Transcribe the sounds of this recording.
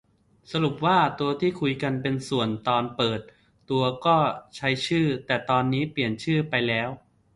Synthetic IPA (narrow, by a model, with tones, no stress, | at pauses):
sa˧ɾu˨˩p̚waː˥˩t̪u˧ɐt̪ʰiː˥˩kʰu˧jka˧npe˧nsu˨˩ənt̪ɔː˧npɤː˨˩t̪̚ː | u˧ɐkɔː˥˩t͡ɕʰa˦˥jt͡ɕʰɯː˥˩t̪ɛː˨˩t̪ɔː˧nːiː˦˥pli˨˩ənt͡ɕʰɯː˥˩pa˧jlɛː˦˥w